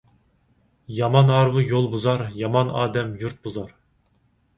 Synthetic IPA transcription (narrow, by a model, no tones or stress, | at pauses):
jɑmɑnɑɾvɨjolˠbuzɑɾjɑmɑnɑ̰ːd̪ɛmjuɾt̪̚buzɑɾ